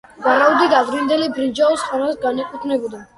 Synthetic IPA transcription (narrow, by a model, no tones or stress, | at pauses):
vaɾaud̪id̪ad̪ɾind̪ɛlibɾid͡ʒaɔsχanasɡanɛkʼut̪ʰnɛbɔd̪a